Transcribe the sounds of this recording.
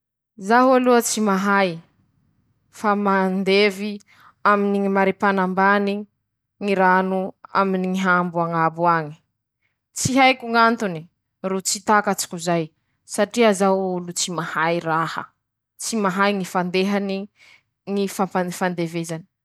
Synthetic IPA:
zaɦualuət͡simaɦaj | famand̪evi | aminiŋimaɾepanambani | ŋiɾanua̰miniŋiɦambuaŋabuaɲi̥ | t͡siɦajkuŋant̪uni | rut͡sit̪akat͡si̥kʲuzaj | saʈ͡ʂiazaulut͡simahajrahə̰ | t͡simaɦajŋifand̪eɦani | ŋifampafand̪evezani̥

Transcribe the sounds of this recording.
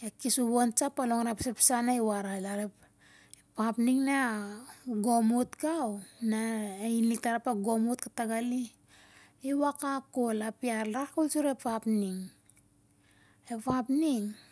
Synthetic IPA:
ekisuβont͡ʃapːaloŋaɾapsapi̥sanaiwaɾalaɾep | papniŋna | ɡomutkawnainiktaɾapaɡomut̚kataɡali | iwakakolapiaɾɾakolsuɾepʰapniŋ | epapniŋ

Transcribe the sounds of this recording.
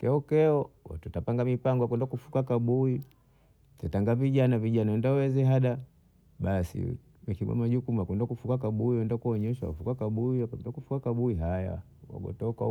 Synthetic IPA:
kɛɔkɛɔwa̰tutapaŋɡamipaŋɡɔakwɛndakufu̥kakaɓui | tɛtaŋɡaviɟanaviɟanaɛndawɛzɛɦaɗa | ɓasḭ | mɛkiɡa̰maʄukumuakɛndakufukak̬aɓuiwɛndakuɔɲɛʃa̰wa̰fukakaɓuiakwɛndakufukakaɓuiɦaja̰ | wa̰ɡɔ̰tɔka

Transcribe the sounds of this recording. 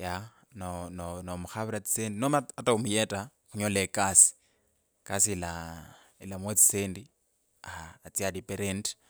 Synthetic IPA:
ja | nononomuxaβuɾat͡si̥sendinomaatʼaumujɛtʼaxuɲɔlekʼasi̥ | kʼasiila | ḭlamwet͡si̥sendi | aːt͡siadipʼɛɾɛnd

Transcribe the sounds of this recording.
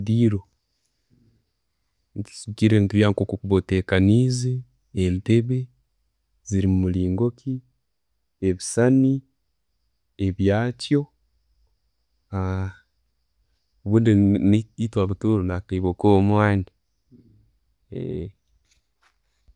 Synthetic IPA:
diɾo | ntisuɡiɾentiβjaŋkokokuβoteːkanizi | enteβe | ziɾimumuliːŋɡokʰi | eβisani | eβjaːtjo̞ | a | oβundiitwaβutuɾonatiβokomwaːndi | ḛ

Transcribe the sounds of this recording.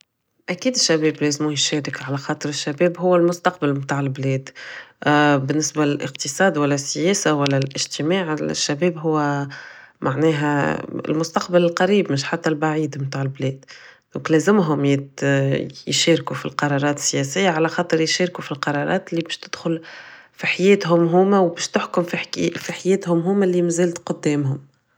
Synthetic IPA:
ʔækiːd̪ɪʃːæbɛːblɛːzmujʃɛːɾɪkʕalæxɑːt̪ˤɨɾɪʃːæbɛːbɦʊwːælmʊst̪ɑq̚balmt̪aːʕɪlblɛːd̪ | bɪnːɪsbalɪlʔɪ̰qt̪ɨsˤɑːd̪wælːæsːɪjɛːsawælːælʔɪ̰ʒt̪ɪmaːʕɪʃːæbɛːbɦʊwːæ | mʔaʕnɛːɦæɪ̰lmʊst̪ɑqbalɪlqɑɾiːbmɪʃħat̪ːælbaʕiːd̪mmt̪aːʕɪlblɛːd̪ | d̪ɔ̃ːŋklɛːzɪmɦʊmjɪ | jʃæːɾkufḭlqɑɾˤɑːɾˤɑːt̪ɪ̥sːjɛsɪjːaʕalæxɑːt̪ˤɨɾjʃæːɾkufilqɑɾˤɑɾˤɑ̰ːt̪ɪlːibɛːʃt̪ɪd̪̥xʊl | fiħajɛːt̪ɦʊmɦuːmæwbɛːʃt̪ʊħkʊmfifiħajɛːt̪hʊmɦuːmælimæzæːlt̪qʊd̪ːɛːmɦʊm

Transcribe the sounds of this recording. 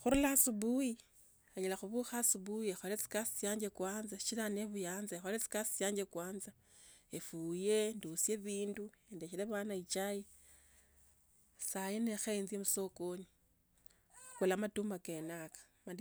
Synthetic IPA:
xuɾulasubuji | aɲilaxuβuxasuβujiexolet͡si̥kasi̥sjaːɲd͡ʒekwaːnzaʃilaneβujaːnzaexolet͡si̥kasi̥sjaːɲd͡ʒekwaːnza | efuje̞nduusje̞βiːnduendeʃileβanait͡ʃaji | sajine̞xenziemuso̞koɲi | kulamatumake̞nakḁ | mandi

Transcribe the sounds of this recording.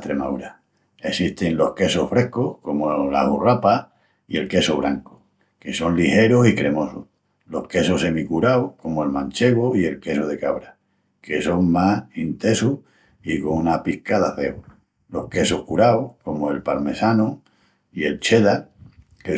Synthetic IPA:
t̪ɾe̞mauɾa | e̞siht̪e̞nlo̞hke̞sohfɾe̞hkohko̞mola̰hurapa | ie̞lke̞soβɾaŋko̥ | ke̞so̞nlihe̞ɾosikɾe̞mo̞so | lo̞hke̞sose̞mikuɾaoko̞moe̞lmãnt͡ʃe̞ɣoie̞lke̞soð̞e̞kaβ̞ɾa | ke̞so̞ŋmahint̪e̞suh | iko̞ŋunapihkaðaθe̞o | lo̞hke̞sohkuɾaoko̞moe̞lpalme̞sano | ie̞lt͡ʃe̞ða | ke

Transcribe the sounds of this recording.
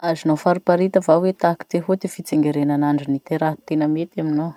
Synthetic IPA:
azinofaɾupaɾit̪əvawet̪aki̥t̪eɦot̪ifit͡seŋɡeɾenanaɳɖ͡ʐinit̪eɾaɦt̪enəmet̪amino

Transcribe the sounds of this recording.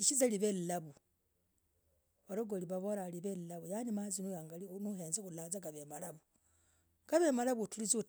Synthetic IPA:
iʃizaliβellaβu | βaɾoɡoliβaβoɾaliβellaβujanimazinujaːŋɡalinuheːnzekulazaɡaβemalaβu | ɡ̥aβemalaβutulizu

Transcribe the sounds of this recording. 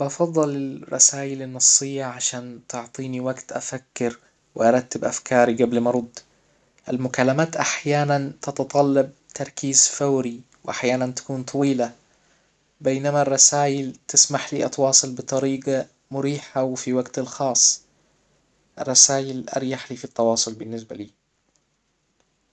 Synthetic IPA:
bɑfɑðˤːɑlɪlrˤːɑ̰saːjɪlɪnːɑsˤːɪjːaʕaʃaːnt̪ʊʕt̪ˤiːniwaɡt̪ʔafakːɪɾ | wɪʔɑɾˤɑt̪ːɪbʔafkɑːɾiɡablmɑɾˤʊd̪ˤː | ʔalmʊkalːamaːt̪ʔaħjaːnant̪ɑt̪ɑt̪ˤɑlːɑb̚t̪ʰɑɾˤkiːzfawɾi | wʔaħjaːnant̪ḁkuːnt̪ˤʰɑwiːla | bejnamarˤːɑsaːjɪlt̪ɪsmaħliːʔɑt̪wɑːsˤɨlbɨt̪ˤɑɾiːɡa | mʊɾiːħawɪfiwaɡt̪alxɑːsˤː | ʔɪ̰rˤːɑsaːjɪlʔɑ̰ɾˤjaħliːfit̪ˤːɑwɑːsˤʊlbɪnːɪs̬baliː

